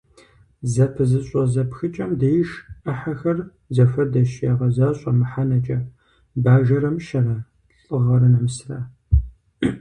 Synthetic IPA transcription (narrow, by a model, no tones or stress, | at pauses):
zɐpʰɨzɨɕʼɐzɐpxɨt͡ʃʼɐmdɐjʃɐħaxɐr | zɐfɐrdɐʃjaːʁɐzaːɕʼɐmɨħanɐt͡ʃʼɐ | baːʒɐɾɐmʃɐɾa | ɬʼɨʁɐɾɐnɐmsraː